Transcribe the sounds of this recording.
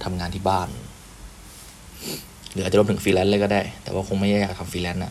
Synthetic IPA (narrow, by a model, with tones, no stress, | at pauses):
t̪ʰa˧mŋaː˧nt̪ʰiː˥˩baː˥˩n | ɾɯː˨˦a˨˩t͡ɕːmt̪ɯ˩˦ŋfiː˧lɛː˧˦˥nlɤː˧kɔː˥˩daː˥˩jt̪ɛ̰ː˨˩waː˥˩kʰo˧ŋma˥˩ja˥˩jaː˨˩k̚t̪ʰa˧mfiː˧lɛ˦˥nʔa˨˩